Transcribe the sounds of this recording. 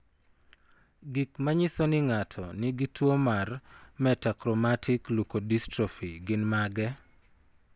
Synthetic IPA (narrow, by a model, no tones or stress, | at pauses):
ɡikmaɲɪsɔnɪŋatʰɔnɪɡitwomarmɛtakɾɔmatʰɪklukodistɾofiɡɪnmaɡɛ